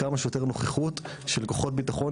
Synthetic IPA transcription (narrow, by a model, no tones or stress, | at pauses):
amaʃejot̪e̞ʁnoχeχut | ʃelko̞χo̞t̚bitaχo̞